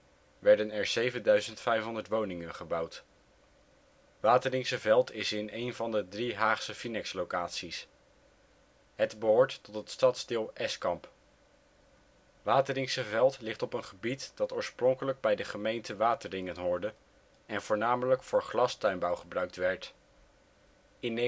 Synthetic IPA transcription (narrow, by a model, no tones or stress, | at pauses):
ʋɛɹdənɛɹz̥ejvəndœɥzəntfɛjfɦɔndəɹtʋownɪŋənχəbɑwt | ʋaːtərɪŋsəvɛlˠtɪsɪnejnvɑndədriɦaːχsəfinɛkslowkaːtsis | ɦətbəɦʊːɹtːɔtətstɑtsdɪːlˠʔɛskɑmp | ʋaːtərɪŋsəvɛlˠtlɪχtɔpənχəbitd̥ɑtʊːɹsprɔŋkələɡ̚bɛjdəχəmejntəʋaːtərɪŋənɦʊːɹdə | ɛnvʊːɹnaːmələkfʊːɹχlɑstœɥnbɑwχəbrœɥk̚tʋɛɹt | ɪn